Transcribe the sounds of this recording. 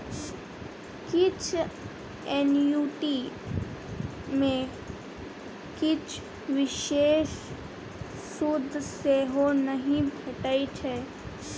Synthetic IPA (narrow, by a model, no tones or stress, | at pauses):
kɪt͡ʃʰ | eːnjuːʈi | mẽ | kɪt͡ʃʰ | ʋɪʃeːʃ | sud̪ʱseːɦonəɦĩbʱeʈait͡ʃʰɛː